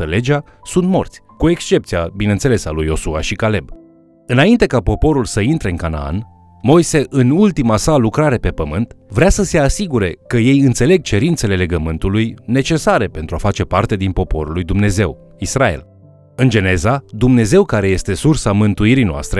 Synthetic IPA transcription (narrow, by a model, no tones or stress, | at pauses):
əle̞d͡ʒa | sunt̪mo̞̰rt̪sʲkue̞kst͡ʃe̞p̚t̪siabinent̪se̞le̞salujo̞suaʃikale̞b | ɨnaint̪e̞kapo̞po̞ɾulsəint̪ɾe̞ɨnŋkana̰a̰n | mo̞jse̞ʔɨnult̪imasalukɾaɾe̞pe̞pəmɨnt̪vɾeasəse̞asiɡuɾe̞kəje̞jɨnt̪se̞le̞ɡ̚t͡ʃe̞ɾint̪se̞le̞le̞ɡəmɨnt̪ulujne̞t͡ʃe̞saɾe̞pe̞nt̪ɾuafat͡ʃe̞part̪e̞d̪inpo̞po̞̰ɾulːujd̪umne̞ze̞̰w | israe̞̰l | ɨnd͡ʒe̞ne̞zad̪umne̞ze̞wkaɾe̞je̞st̪e̞sursamɨnt̪uiɾinoa̰st̪ɾe